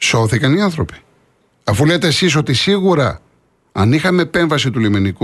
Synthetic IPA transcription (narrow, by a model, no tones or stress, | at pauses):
so̞θikɐniɐnθɾo̞pi̥ | ɐfule̞t̪eːsis̬o̞t̪isiɣuɾɐ̰ | ɐnixɐme̞ːpe̞ɱvɐsit̪uliminiku